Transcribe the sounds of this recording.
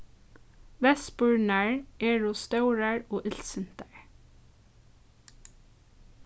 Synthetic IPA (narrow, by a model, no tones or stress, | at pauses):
ʋɛspʊɹnæɹeːɹuːst̪ɑʉɹəɹoːʔɪlsənt̪əɹ